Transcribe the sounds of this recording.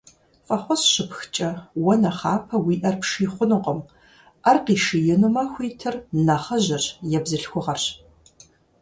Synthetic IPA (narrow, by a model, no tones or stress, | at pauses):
fʼɐχʷɔɕɕɪpxt͡ʃʼɐwɔnɐχaːpʰɐwiːʔɐrpʂiːχʷʊnɨqʷʼɔm | ɐrqiːʂɨjɪnɨmɐxʷiːtʰɨrnɐχɐʑɐrjɛbzɨɬxʷʊʁɐrɕ